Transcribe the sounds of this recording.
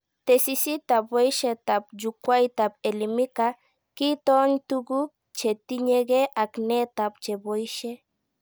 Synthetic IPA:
t̪esisit̪abejʃet̪ap̚d͡ʒukwajt̪apelimika | kit̪oɲt̪uɡu | t͡ʃet̪iɲeɡeʔaknet̪ap̚t͡ʃebojʃe

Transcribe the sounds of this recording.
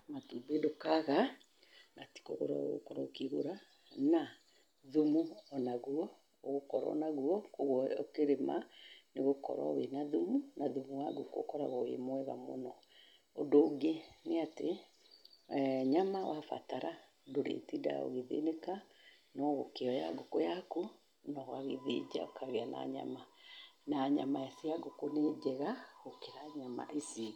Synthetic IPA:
matubedokaɣa | nati̥koɣo̰ɾa̰o̰ɣo̰kɔɾɔokiɣoɾa | na | ðumuɔnaɣuɔ | oɣokɔɾɔ̰naɣuɔkoɣɔokeɾema̰neɣokɔ̰ɾɔ̰wenaðumunaðumuwaɡuko̰kɔɾaɣɔḛmwɛɣa̰mo̰nɔ | odoːɡeneate | ɲamawafa̰taɾa | doɾḛtida̰o̰ɣeðḛneka | nɔɣokeɔja̰ɡokojaku | nɔɣaɣeðed͡ʒa̰okʰaɣeana̰ɲa̰manaɲamaesiaɡokoned͡ʒɛɣaɣokeɾaɲama̰ʔesi

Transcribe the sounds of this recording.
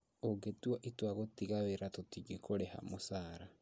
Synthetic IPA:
oɡetwaʔitwaɣotiɣaβeɾatotiɡekʰoɾeha̰mosaːɾa

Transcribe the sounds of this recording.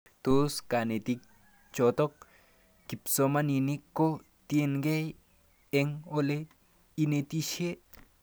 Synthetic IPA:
t̪oskanet̪ik̚ | t͡ʃot̪ok̚ | kipsomaninikːo | t̪jenkej | eŋole | inet̪iʃe

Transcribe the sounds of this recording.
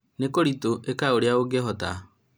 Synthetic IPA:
nekoɾitoʔekaoɾeaoɡɛɦɔta

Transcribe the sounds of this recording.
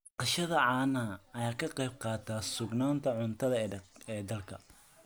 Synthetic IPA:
qɑʃɐðɐʕɑːnɐɐɐjaːkʰɐqɑjb̚qɑːt̪ʰaːsʊɡnaːnt̪ʰɐʕʊnt̪ʰɐðɐɛːd̪ɐlkʰɐ̰

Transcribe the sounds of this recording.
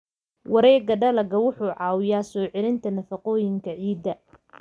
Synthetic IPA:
wɑɾɛːɡɐɖɐlɐɡɐwʊħuːʕɑːwɪjaːsɔːʕɛlɪnt̪ʰɐnɐfɐqɔːjɪŋkʰɐʕiːd̪ːɐ

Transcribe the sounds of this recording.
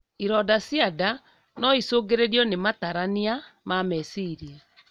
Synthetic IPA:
iɾɔdasjada | nɔisoːɡeɾeɾjɔnemataɾaniamamɛsiɾia

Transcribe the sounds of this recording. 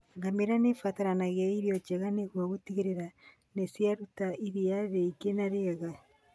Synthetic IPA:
ŋɡameɾanefataɾanaɣaiɾiɔt͡ʃɛɣaneɣwaɣotiɣeɾeɾa | nesjaɾutaʔiɾiaðeikenaɾeɣa

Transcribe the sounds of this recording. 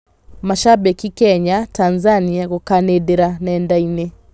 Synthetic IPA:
maʃabɛkikɛɲatanzaniaɣokanedeɾanɛndaine

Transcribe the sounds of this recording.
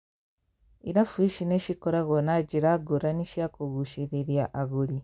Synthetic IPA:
iɾafuiʃineʃikoɾaɣonaɟiɾaɡuɾaniʃjakuɣuʃiɾiɾjaʔaɣuli

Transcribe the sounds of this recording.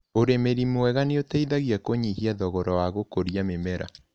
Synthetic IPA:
oɾemeɾimowɛɣaneotaiðaɣiakoɲihiaðɔɣɔɾɔwaɣokoɾiamemɛɾa̰

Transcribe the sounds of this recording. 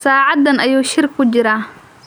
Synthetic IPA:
saːʕɑd̪ːɐnɐjuːʃɪrkʰːʊt͡ʃɪɾaː

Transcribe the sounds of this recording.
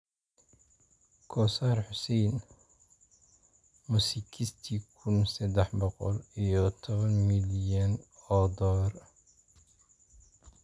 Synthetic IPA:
kʰɔsaːrħʊsɛjn | musikʰist̪ʰikʰʊnsɛd̪ɛħbɔqɔlijɔt̪ʰɔβɐnmɪljɐnɔd̪ɔr

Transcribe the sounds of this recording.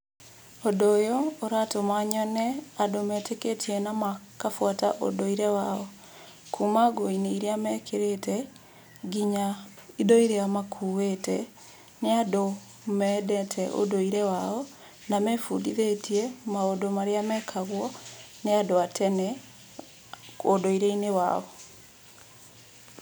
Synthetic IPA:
odojooɾatomaɲɔnɛadomɛteketʰiɛnamakafwata̰ʔo̰doiɾɛwaɔ | kʰuːmaɡoineiɾeamɛkʰeɾetɛ | ɡiɲa | idoiɾeamakʰuwetɛ | neado | mɛdɛtʰɛʔo̰doiɾɛwaɔ | namɛfudiðetiɛmaodomaɾeamɛkʰaɣwɔneadoatʰɛnɛ | odoiɾeinewa̰ɔ

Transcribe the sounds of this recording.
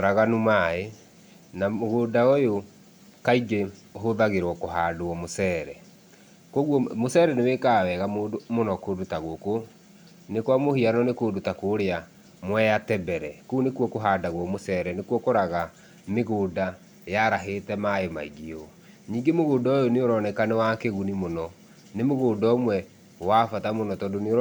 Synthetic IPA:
ɾaɣanumae | naoɣoːdaojo | kaiɡeoɦoðaɣeɾwɔkoɦaːdoɔmosɛːɾɛ | kɔɣwɔmosɛːɾɛnewekaːwɛɣamoːdomonɔkodutaɣoko | nekwamohianɔnekodutakoɾea | mwɛjatɛbɛɾɛkonekwɔkoɦaːdaɣwɔmosɛːɾɛnekwɔkoɾaɣa | meɣoːda | jaɾaɦetɛmaoma̰iɣio | ɲiːŋɡemoɣoːndɔjoneoɾɔnɛkanɛwakeɣunimonɔ | nemoɣoːndɔmwɛ | wafatamonɔtɔdoneo

